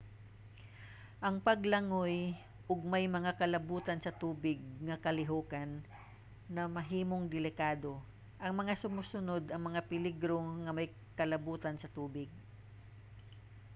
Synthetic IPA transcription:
ʔɐŋpɐɡlɐŋoj | ʔʊɡ̚mɐjmɐŋakɐlɐbuːt̪ɐnsɐt̪uːbɪɡ̚ŋɐkɐlɪɦoːkɐnː | ɐmɐɦiːmoŋd̪ɪlɪkaːd̪o̞ | ʔɐŋmɐŋasʊmusʊnod̪ɐŋmɐŋapɪlɪɡɾo̞ŋɐmɐj | kɐlɐbuːt̪ɐnsɐt̪uːbɪɡ̚

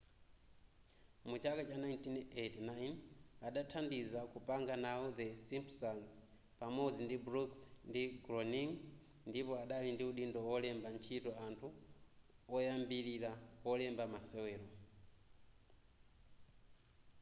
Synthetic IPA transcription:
mut͡ʃakat͡ʃanajntinetinajnaɗatʰandizakupaŋɡanaɔðɛsimpsanz | pamɔd͡zindibɾuksndiɡɾɔniŋ | ndipɔaɗalindiuɗindɔwɔlɛmbant͡ʃʰitɔantʰu | ɔjambiɾiɾawɔlɛmbamasɛwɛːɾɔ

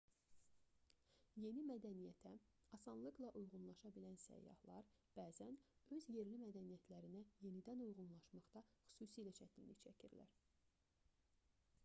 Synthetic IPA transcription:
je̞nimæd̪ænijæt̪ʰæɑsɑnlˠɯklˠɑʔujʁunlˠɑʃɑbilænsæ̰jːɑ̰hlˠɑɾb̥æːzænø̞zje̞ɾlimæd̪ænijæt̪ʰlæɾinæje̞nid̪ænujɣunlˠɑʃmɑχt̪ɑxy̥suːsiːlæt͡ʃʰæt̪inlit͡ʃʰæcʰiɾlæ̰ɾ

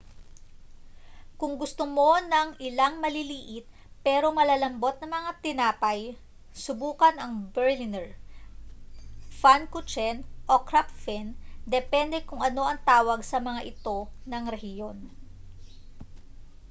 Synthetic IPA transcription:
kʊŋɡʊst̪omo̞nɐŋʔɪlaŋmɐliliːʔɪt̪̚ | pɛːɾo̞mɐlaːlɐmbo̞t̪̚nɐŋmɐŋat̪ɪnaːpɐj | sʊbuːkɐnɐŋbɛɹlɪnɛɹ | fankʊt͡ʃɛnʔo̞kɾaft̪fɛnd̪ɛpɛnd̪ɛkʊŋɐno̞ʔɐŋt̪aːwɐɡsɐmɐŋaʔɪt̪o̞nɐŋɾɛhɪjo̞n

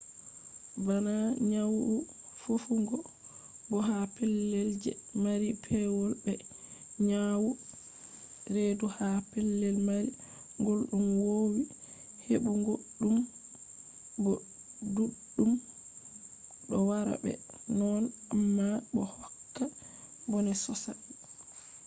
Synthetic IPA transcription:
banaɲawu | fufuŋɡɔ | bɔɦapɛlːɛld͡ʒɛ̰maɾipʰɛwɔlbɛɲawu | ɾeduhapɛlːɛlmaɾi | ŋɡɔlɗunwowi | hebuŋɡoɗːum | bɔ | duɗːum | ɗɔwaɾa̰bɛ̰ | nɔnamːabɔhɔkːa | bɔnɛsɔsa̰

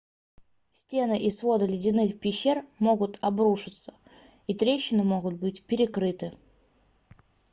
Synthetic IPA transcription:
sʲtʲe̞nɨʔisvo̞d̪əlʲɪdʲɪnɨxpʲɪɕːe̞rmo̞ɡʊt̪ɐbɾuʂɨt̪sə̥ | it̪ɾʲeɕːɪnɨmo̞ɡʊt̪̚bɨtʲpʲɪɾʲɪkɾɨt̪ɨ

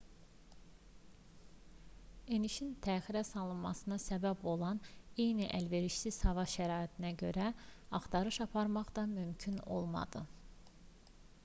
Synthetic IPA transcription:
e̞niʃint̪ʰæːxiɾæsɑlˠɯnmɑ̰sɯnɑsæbæbo̞lˠɑne̞jniʔælve̞ɾiʃsizhɑvɑʃæɾɑːit̪ʰinæɟø̞ɾæɑχt̪ʰɑɾɯʃɑpʰɑɾmɑχd̪ɑmymcʰyno̞lˠmɑ̰d̪ɯ

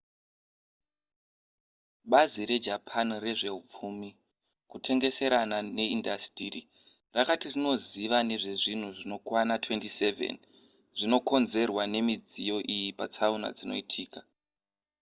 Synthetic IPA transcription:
ɓaziɾe̞d͡ʒapʰanre̞ʐe̞up͡fumi | kutʰe̞ŋɡe̞se̞ɾanane̞indastiri | rakatirino̞ziʋane̞ʐe̞ʐin̤uʐino̞kwanatwe̞ntise̞vḛn | ʐino̞ko̞nze̞rwane̞mid͡zijo̞ʔijipat͡sauna̰d͡zino̞̰itʰiːka

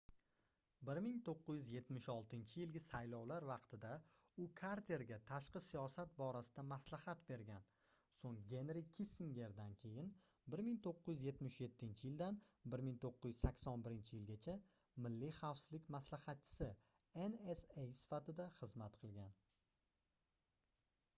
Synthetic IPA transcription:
bɪɾmɪŋt̪ʰoqːɨzjʏzje̞t̪mɪʃɒlˠt̪ʰɪnt͡ʃʰɪjɪlɡʲɪsajlɒwlaɾvɑqt̪ʰɪd̪a | ʊkʰaɾt̪ʰe̞ɾɡʲat̪ʰaʃqɨsijɒsat̪̚bɒɾasɪd̪amaslahat̪be̞ɾɡʲan | soŋɡʲe̞nɾɪkʲʰisɪŋɡʲe̞ɾd̪ankʲʰe̞jɪn | bɪɾmɪŋt̪ʰoqːɨzjʏzje̞t̪mɪʃje̞t̪ʰːɪnt͡ʃʰɪjɪlˠd̪anbɪɾmɪŋt̪ʰoqːɨɪjɪzsakʲsɒnbɪɾɪnt͡ʃʰɪjɪlɡʲat͡ʃʰa | mɪlːɪχɑwfsɪzlɪkʲmaslahɑt̪̚t͡ʃʰɪ̥sɪ | enesejsɪ̥fat̪ɪd̪aχɨzmat̪qʰɨlˠɡʲan

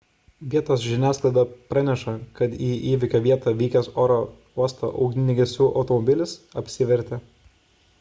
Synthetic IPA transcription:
ʋʲiɛt̪oːs̬ʒʲɪnʲæːsklˠɐɪd̪ɐpɾɑnʲɛʃɐkɐt̪iːʔiːʋʲɪkʲoːʋʲiɛt̪ɑʋʲiːkʲɛsoːɾo | uɔst̪o̰ːʔɐ̰ʊɡnʲɪnʲɪɡʲɛsʲuːʔɒ̰ʊt̪ɔmɔbʲɪlʲɪsɐpʲsʲɪʋʲɛɾʲt̪ʲe

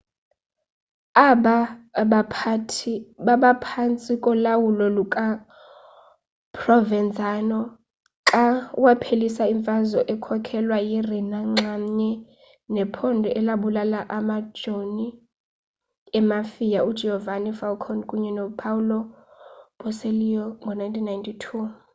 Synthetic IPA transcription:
aɓaɓapʰtʰɓaɓapʰant͡sʼikʼɔlawulɔlukʼa | pʰʼrɔvɛnd͡zʱʼanɔ | kawapʰelisaiɱfʼazɔʔɛkʰɔkʰɛlwajirinaŋ͡ǁaɲɛ | nɛpʰɔndʱɔʔɛlaɓulalaʔamḁʒ̥ʱoni | ɛmafijaud̥ʒ̥ʱɛhɔvanifalkʰɔnkʼuɲɛnɔpʰaulɔ | ɓ̥ɔselijɔŋɡʱɔnajntʰinːajntʰʼitʰu

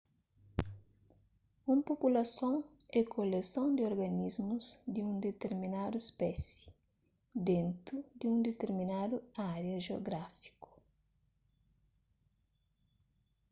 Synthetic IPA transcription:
ũmpopulɐsõŋ | ɛkʰolesõnd̪ɪoɾɡɐnizmuzd̪ɪũnd̪et̪eɾmĩnad̪uespɛsi̥ | d̪ẽnt̪ɾud̪ɪũnd̪et̪eɾmĩnad̪uaɾjɐʒeoɡɾafi̥ku̥

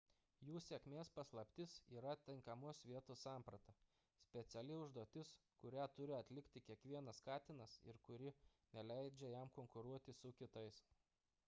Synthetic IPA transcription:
juːsʲekmʲeːspɐslˠɐpʲt̪ʲɪsiːɾɐt̪ʲɪŋkɐmʊsʋʲiɛt̪ossɑˑmpɾɐt̪ɐ | sʲpʲɛt̪sʲɛlʲɪʊʒd̪uɔt̪ʲɪskʊɾʲæːt̪ʊɾʲɪɐt̪ʲlʲɪkʲt̪ʲɪkʲiɛkʋʲiɛnɐskɑːt̪ʲɪnɐsɪ̰ɾkʊɾʲɪnʲɛlʲæˑɪd͡ʒʲɛjæmkoŋkʊɾuɔt̪ʲɪsʊkʲɪt̪ɐɪs

